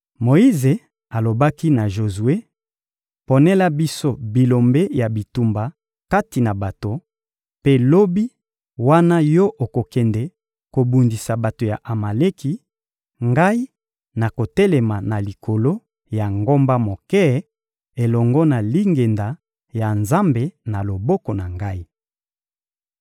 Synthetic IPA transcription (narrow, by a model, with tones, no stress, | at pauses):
mo˨i˦ze˨ | a˨lo˨ba˦ki˦na˨ʒo˨zu˨e˦ | po˨nɛ˦la˦bi˦so˦bi˨lo˨mbe˦ja˨bi˨tu˨mba˨ | ka˦ti˨na˨ba˨to˨ | pe˦lo˦bi˦ | wa˦na˦jɔ˦ʔo˨ko˨kɛ˨ndɛ˨ | ko˨bu˨ndi˨sa˨ba˨to˨ja˨ʔa˨ma˨le˦ki˨ | ŋɡa˦i˦ | na˨ko˨tɛ˦lɛ˨ma˨na˨li˨kʰo˨lo˦ | ja˨ŋɡo˦mba˦mo˨kɛ˦ | e˨lɔ˨ŋɡɔ˦na˨li˦ŋɡe˨nda˨ | ja˨nza˦mbe˨na˨lo˨bɔ˦kɔ˨na˨ŋɡa˦i˦